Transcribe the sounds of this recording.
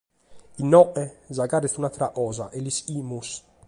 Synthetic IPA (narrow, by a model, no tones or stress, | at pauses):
inːɔʔɛzaɡaɾɛθunat̪ɾaʔɔːzaʔɛlisiːmus